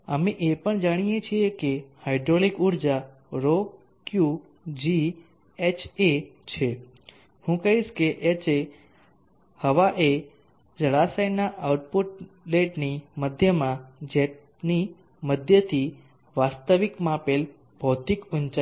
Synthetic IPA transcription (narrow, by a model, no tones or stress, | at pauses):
əmeʔepəɳd͡ʒaɽ̃ijet͡ʃʰiekehajɖɾolikuɾd͡ʒa | ɾo | kju | d͡ʒi | et͡ʃʰet͡ʃʰe | hũkəɦiʃkeʔet͡ʃe | həʋaʔe | d͡ʒəɭasəjnaʔawʈ̚puʈ̚leʈniməd̪ʱjəmãd͡ʒe | ni | məd̪ʱjət̪ʰi | ʋast̪əʋikmãpel | bʱowt̪ikʊnt͡ʃa